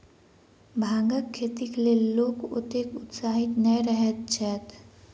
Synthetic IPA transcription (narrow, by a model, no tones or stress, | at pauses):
bʱãːŋɡəkʰːeːt̪ikleloːkʊ̰t̪ekʊt̪saːɦɪt̪nəiɾəɦət̪̚t͡ʃʰɛːt̪